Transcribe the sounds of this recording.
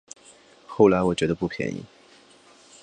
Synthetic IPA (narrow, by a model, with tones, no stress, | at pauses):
xo˥˩ʊla˧˥ɪwɔ˨˩t͡ɕɥɛ˧˥d̪ə˧pu˥˩pʰjɛ̰˧˥nḭ˧˥˩ŋ